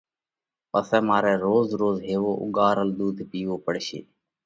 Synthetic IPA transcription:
pəsɛ̃ːmaːɾɛːɾoːzɾoːzɦeːʋoːʔʊ̰ɠaːɾəld̪uːd̪ʱpiːʋoːpəɽʃḛː

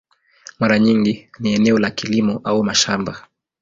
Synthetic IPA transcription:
maɾaɲiŋɡiniɛnɛɔlakilimɔʔaumaʃamba

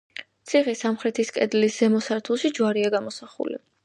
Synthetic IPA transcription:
t̪sʰiχisamχɾɛt̪ʰiskʼɛd̪lisz̥ɛmɔsaɾt̪ʰulˠʃid͡ʒwaɾiaɡamɔsaχṵlḭ

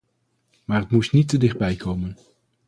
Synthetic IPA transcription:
maːrətmustnitːədɪχd̚bɛjkowmən

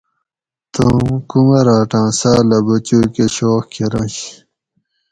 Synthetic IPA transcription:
t̪ũkumɐɾaːʈãːsaːlɐbɐt͡ɕuːkeɕoːxkeɾɐ̃ɕ

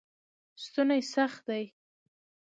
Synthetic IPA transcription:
st̪unajsaxt̪̚d̪aj

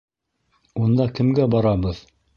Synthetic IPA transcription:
und̪ɑkɘ̆mɡæbɑɾɑbɤð

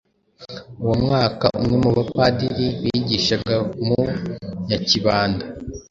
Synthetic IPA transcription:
uwomŋaːka̰ʔumŋe̞muβapadiɾiwiɟiʃaɡamuɲaciβaːnda

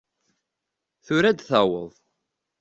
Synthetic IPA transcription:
θʊɾæd̪θæwə̰ðˤ

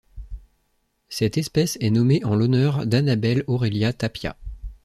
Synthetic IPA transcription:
sɛt̪ɛspɛsɛnɔmeʔɑ̃lɔnœʁd̪anabɛlɔʁeljat̪apja̰

